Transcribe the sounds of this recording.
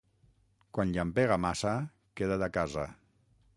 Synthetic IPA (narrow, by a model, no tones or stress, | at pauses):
kwanʎampeɣ̞amasa | keðaðakaza